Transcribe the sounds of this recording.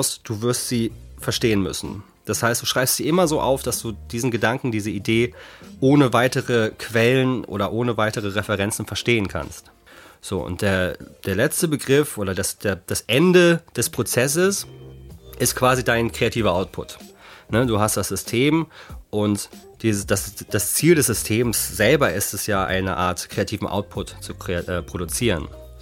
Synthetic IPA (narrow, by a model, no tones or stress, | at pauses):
ʊsd̥uːvɪɐstz̥iːfɛɐʃteːənmʏ̰sn̩ | d̥ashaɪst̚d̥uːʃʁ̥aɪpstz̥iːʔɪmɐzoːʔa̰ʊfd̥asd̥uːd̥iːzn̩ɡədaŋkŋ̩diːzəideːʔoːnəvaɪtəʁəkʰv̥ɛlənʔo̰ːɾɐʔoːnəvaɪtəʁ̞əʁɛfɛʁɛnt͡sn̩fɛɐʃteːənkʰa̰nst | z̥o̰ːʊ̰ntd̥eːɐd̥eːɐlɛt͡stəbəɡʁɪfʔoːɾɐdasd̥eːɐd̥asʔɛndəd̥ɛspʁ̥ot͡sɛs̬əs | ʔɪstkv̥aːzidaɪnkʁ̥eatʰiːvɐʔaʊt̚pʰʊ̰tnəduːɦast̚d̥asz̥ʏstʰeːmʔʊnt | d̥iːzəsd̥asd̥ast͡siːldɛsz̥ʏstʰeːmsz̥ɛlbɐɪstɛsjaːʔa̰ɪnə̰ʔa̰ːɐtkʁ̥eatʰiːvm̩ʔa̰ʊt̚pʰʊtt͡sukʁ̥eʔɛːpʁ̥oɾut͡siːʁən